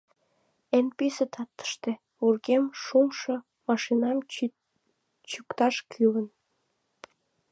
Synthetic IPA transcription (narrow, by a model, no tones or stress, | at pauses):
enpisət̪ʰɑt̪ːə̥ʃt̪e | urɣemʃumʃo | mɑʃinɑm | t͡ɕukt̪ɑʃkʰylən